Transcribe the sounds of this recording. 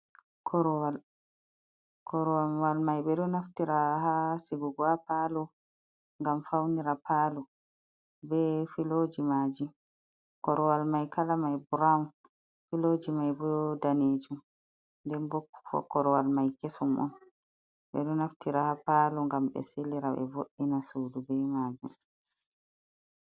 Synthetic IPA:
kʰɔɾɔwal | kʰɔɾɔwawalmajɓɛɗɔnaftiɾahasibuɡwapalɔ | ŋɡamfawniɾapaːlu | bɛfiloːd͡ʒimad͡ʒi | kɔɾɔwalmajkalamajbuɾam | filoːd͡ʒimajbɔdaned͡ʒum | ndɛnbokːu̥fɔ̰kɔɾɔwalmajkesɔmʔɔ̰n | ɓɛ̰ɗɔnaftiɾahapaːluŋɡamɓɛ̰silːiɾaɓɛ̰voʔinasuːdubɛmaːd͡ʒṵm

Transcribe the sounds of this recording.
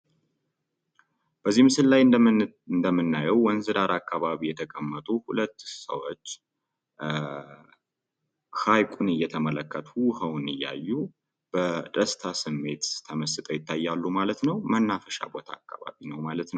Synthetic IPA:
b̥əzːihmɨsɨllaj | nd̪əmːɨnːajɛwwɔnzɨd̪aɾakːaβaβijɛt̪ʰəkʼəmːət̪ʼuhulət̪ːsə̰wo̞t͡ʃː | hajkʼunɨjːɛt̪ʰəmələkʰːət̪ʰuhəwnɨjːa̰jːu | b̥əd̪əst̪ʰasɨmːe̞t̪t̪ʰəməsɨt̪ʼəjɪt̪ʰːajːalːumalət̪nəwmənːafəʃa̰bo̞t̪ʰa̰ːkːaβa̰βinəwmalət̪nəw

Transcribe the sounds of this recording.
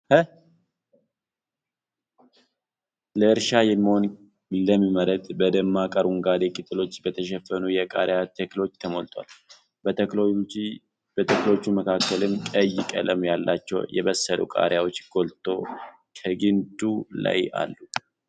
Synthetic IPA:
h | ləɨɾʃajɛmːiho̞n | ləmːiməɾət̪bəd̪əmːakʼəɾuŋɡad̪ekʼɨt̪ʼɨlo̞t͡ʃːbət̪ʰəʃ̬ɛfːənujɛkʼaɾjat̪ʰəklo̞t͡ʃːt̪ʰəmolt̪ʼwa̰l | b | b̥ət̪ʰəklot͡ʃːuməkʰakːəlɨmkʼəjːɪkʼələmjalːat͡ʃːɛ̰wjʔɛ̰βəsːəlʔṵkʼa̰ɾjawo̞t͡ʃːɡ̥o̞lt̪ʰʼo̞ | kʰəɡɨnd̪ula̰ja̰lːu

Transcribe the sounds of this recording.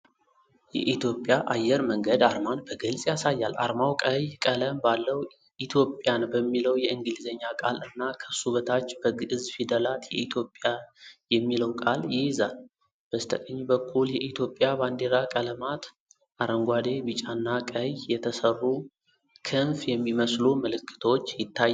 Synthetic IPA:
jɛ̰ʔit̪jo̞pʼjaʔajːɛɾməŋɡəd̪aɾmanbəɡɨlsʼjasajːala̰ɾmawkʼəjkʼələmbalːəw | it̪ʰjo̞pʼjanbəmːiləwjɛɨŋɡɨlizəɲːakʼalɨnːakʰəsuβət̪ʰat͡ʃːb̥əɡɨɨzfid̪əlat̪jɛ̰ʔit̪ʰjo̞pʼjajɛmːiləwkʼaljɪjzal | b̥əst̪ʰəkʼəɲːbəkʰːuljɛʔit̪ʰjo̞pʼːjaband̪eɾakʼələmat̪ | ʔaɾəŋɡʷad̪ebɨt͡ʃʼanːakʼəjjɛt̪ʰəsərːu | kʰɨnfjɛmːiməsluməlɨkːɨ̥t̪ʰot͡ʃːjɪt̪ʰːajː

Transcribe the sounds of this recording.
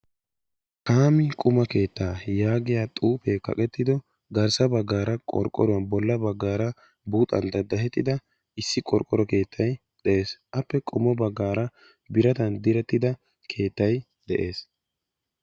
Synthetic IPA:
kaːmɪkʼʊmɐke̞ːt̪ːaːjaːɡɪjaːt̪ʼuːpekɐ̰kʼɛt̪ːɪd̪ɔ | ɡɐɾsɐbɐɡːaːɾɐkʼɔ̰ɾkʼːɔ̰ɾʊwɐnbɔlːɐbɐɡːaːɾɐ | buːt̪ʼɐ̰nd̪ɐd̪ɐhɛt̪ːɪd̪ɐ | ɪsːɪkʼɔɾkʼːɔɾɔke̞ːt̪ʰːɐj | d̪̥ɛʔeːsʔɐpːɛkʼʊmɔbɐɡːaːɾɐ | bɪɾɐt̪ɐnd̪ɪɾɛt̪ːɪd̪ɐ | kʰe̞ːt̪ːɐj | d̪̥ɛʔe̞ːs

